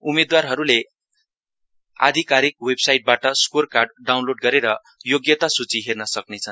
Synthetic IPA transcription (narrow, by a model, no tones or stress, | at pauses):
umed̪warɦʌɾule | a̰d̪ʱikaɾik̚websajʈ̚baʈʌskorkarɖɖawnloɖɡʌɾeɾʌ | joɡjʌt̪asut͡siɦernʌsʌknet͡sʰʌn